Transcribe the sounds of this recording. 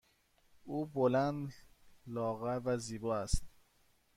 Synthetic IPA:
uːbolænd̪lɒːɣævæziːbɒːæst̪

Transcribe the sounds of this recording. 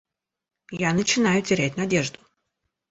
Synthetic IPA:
janət͡ɕɪnajʊtʲɪɾʲætʲnɐdʲeʐd̪ʊ

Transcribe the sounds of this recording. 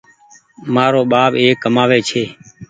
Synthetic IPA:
maːɾoːɓaːɓeːkːəmaːʋeːt͡ʃʰeː

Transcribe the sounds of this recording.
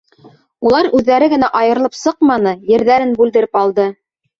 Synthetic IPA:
ulˠɑɾʉðːæɾɘɡɘ̆næʔɑjɤ̆ɾlˠɤpsɤqmɑnɤjɘ̆ɾðæɾɘnbʉld̪ɘ̆ɾɘpɑlˠd̪ɤ

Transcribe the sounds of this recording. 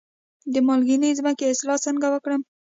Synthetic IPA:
d̪əmɑlɡinəzməkeɪslɑsəŋɡawəkɽəm

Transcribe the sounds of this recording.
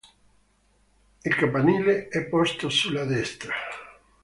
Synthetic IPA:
elkampanileɛpost̪osulaðest̪ɾa

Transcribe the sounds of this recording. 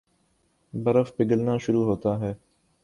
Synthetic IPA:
bɐɾəfpɪɡəlnaːʃʊɾuːɦoːt̪aːɦɛː

